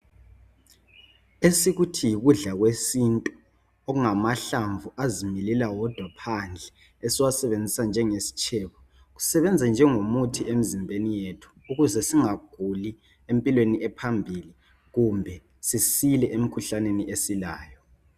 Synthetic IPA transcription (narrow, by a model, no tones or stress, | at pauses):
esiɣutʰijiɣuɮaɣwesintʼu | oɣuŋamaɬaɱvuʔazimililawɔd̥ʱwapʰand͡ɮʱɛ | esiwasɛβend͡zʱisand͡ʒʱɛŋesi̥t͡ʃʰʼɛːβɔ | ɣu̥sɛβɛnd͡zʱɛnd͡ʒʱɛŋomutʰiem̩zimbʱenijetʰu̥uɣuzɛsiŋaɡ̥ʱuli | empʼilweniɛpʰambʱili | ɣumbʱɛ | sisilɛʔem̩kʰuɬaneniʔesilaːjɔ